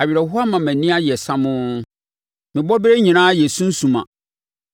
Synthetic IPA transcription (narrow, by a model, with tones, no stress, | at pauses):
a˨ɥi˨ɾɛ˨ɦʊ˦a˦mã˨mæ̃˨nĩ˦a˦jɛ˨sã˦mʊ̃˦ | mɪ̃˨bɔ˦bɾe˦ɲĩ˨nãː˦je˨sũ˦n̩˦sũ˨mã̰˨